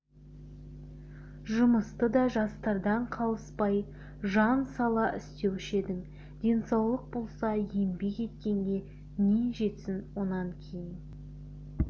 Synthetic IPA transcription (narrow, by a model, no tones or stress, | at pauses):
ʒʊməst̪əd̪ɑʒɑst̪ɑɾd̪ɑɴqʰɑlˠəspɑj | ʒɑnsɑlˠɑʔɪ̰st̪e̞wɪʃe̞d̪ɪŋ | d̪̥ʲe̞nsɑwlˠəq̚bo̞lˠsɑje̞mbe̞ke̞t̪̚kʲe̞ŋɡʲe̞ | neʒe̞t̪sɪnwo̞nɑŋkʲʰejɪn